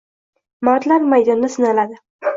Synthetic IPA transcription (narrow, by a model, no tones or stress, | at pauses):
mɒt̪laɾmajd̪ɒnːɪsɪnalad̪ɪ